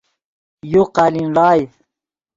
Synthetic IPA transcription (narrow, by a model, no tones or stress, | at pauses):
juqalinlɑːj